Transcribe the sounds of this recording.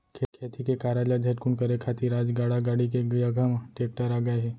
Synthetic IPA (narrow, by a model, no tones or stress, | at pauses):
kʰekʰet̪ʰikekaɾalad͡ʒʱɐʈ̚kunkəɾekʰat̪iɾad͡ʒɡaɽaɡaɽik̬eɡjəɡʱəmʈeːk̚ʈəɾaɡəeɦɛ